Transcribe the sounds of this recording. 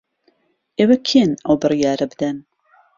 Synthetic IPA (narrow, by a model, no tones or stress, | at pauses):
ʔeːwɐkʰenɐwbɨrˤijaːɾɐbɨd̪ɐn